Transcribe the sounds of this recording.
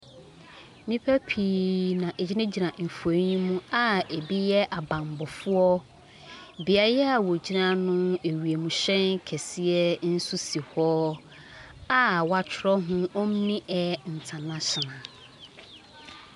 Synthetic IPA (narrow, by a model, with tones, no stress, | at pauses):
nĩ˦pʰæ˦pʰiː˨˦nã˨ʔe˨d͡ʑi˦nã˦d͡ʑi˨nã˨m̩˨fo˨˦ɲĩ˦mũ˦a˨e˨bi˦jɛ˦ʔa˨bã˨m˨bɔ˨fʊ˦ɔ˦ | bi˨a˨˦ɛ˦a˨wɔ˨d͡ʑi˦nã˦nʊ̃˦e˨wi˨e˨mũ˨ɕɛ̃˦ŋ˦kʰɛ˨sɪ˦ɛ˦n̩˦su˦si˨hɔ˦ | a˨wa˨t͡ɕʰᶣɪ˨ɾɔ˦ɦʊ̃˦o˦m˦nĩ˦ʔɛ˦n̩˨tʰa˨nã˦ɕɔ˨nã˨